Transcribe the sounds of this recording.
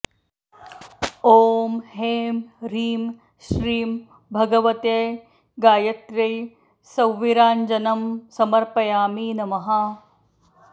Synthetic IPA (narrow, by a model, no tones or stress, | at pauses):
oːmɦeːmɾiːm | ʃɾiːm | bʱɐɡɐʋɐt̪ej | ɡaːjɐt̪ɾɐj | sɐwʋiɾaːnd͡ʒɐnɐmsɐmɐɾpɐjaːmiːnɐmɐɦɐ